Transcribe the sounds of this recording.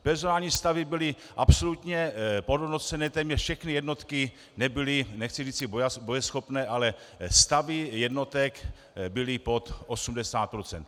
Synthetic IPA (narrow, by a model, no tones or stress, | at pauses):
pɛɾzonaːlɲiːst̪avɪbɪlɪ | ʔapsolut̪ɲɛpodonot͡sɛnɛːt̪ɛːmɲɛʃfʃɛxnijɛdno̞t̪kɪ | nɛbɪlɪnɛxt͡sɪriːt͡sɪbojabojɛsxo̞pnɛːʔalɛ | st̪avɪjɛdno̞t̪ɛk | bɪlɪpo̞t̪ʔosumdɛsaːt̪̚pɾot͡sɛ̰nt̪